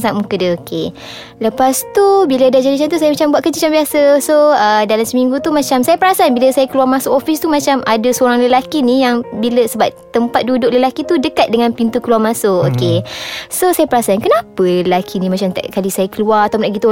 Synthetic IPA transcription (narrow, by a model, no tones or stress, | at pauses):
saʔmukədəokʰe | ləpast̪ubilədad͡ʒadit͡ʃant̪usajəmat͡ʃambuaʔ̪̚kət͡ʃit͡ʃambiasəsoədalamsəmĩŋɡut̪umat͡ʃamsajapəɾasanbiləsajakəluarmãsʊkofist̪umat͡ʃamadəsəoɾaŋləlakinijaŋbiləsəbap̚t̪əmpat̪̚dudʊk̚ləlakit̪udəkat̪̚dəŋãnpint̪ukəluarmãsʊʔokesosajapəɾasankənãpəəlakʰinĩmat͡ʃamt̪ɛ̰ʔkalisajakəluarat̪awmlaʔkɡit̪u